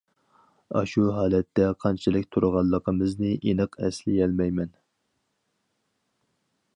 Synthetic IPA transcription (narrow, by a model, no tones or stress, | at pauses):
ɑ̰ʃuɦɑːlɛt̪ʰːɛqʰɑnt͡ʃʰilɪkʲt̪ʰuɾəʁɑlˠːəqʰəmɨznɨʔinɨqʰɛslɪɛlmɛjmɛn